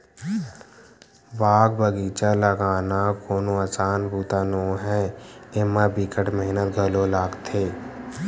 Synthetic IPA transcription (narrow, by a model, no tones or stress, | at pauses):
baːɡbəɡiːt͡ʃaləɡaːnakoːnoəsaːnbuːt̪anoɦɛɪmabikəʈmeɦnət̪ɡʱəlolaːɡt̪ʰeː